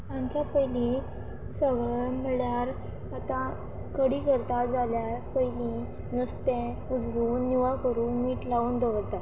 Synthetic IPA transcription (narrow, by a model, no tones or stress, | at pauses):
ãɲt͡ɕjapəjli | səʋɭɭm̤əɭjaɾ | at̪ã | kəɽiːkəɾt̪ad͡zaljaɾpəjli | nəst̪ẽ | ud͡zɾuːnːiʋakəɾũːnmiːʈlauːnd̪əʋəɾt̪at̪